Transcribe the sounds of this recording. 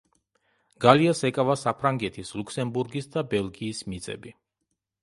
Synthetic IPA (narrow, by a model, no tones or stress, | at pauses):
ɡ̥aliasɛkʼavasapʰɾaŋɡɛt̪ʰislˠukʰsɛmbuɾɡisd̪abɛlɡiːsmit̪sʼɛ̰bi